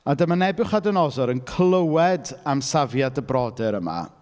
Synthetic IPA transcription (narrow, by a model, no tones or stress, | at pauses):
adəmanɛbɨχadənɔzɔɾənkʰlˠəwɛdamsavjadəbrɔdɛɾəma̰